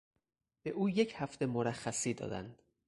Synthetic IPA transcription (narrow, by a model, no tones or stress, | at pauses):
b̥e̞ʔuːje̞cʰhæft̪ʰe̞moɾæxːæsiːd̪ɒ̰ːd̪æ̰nd̪̥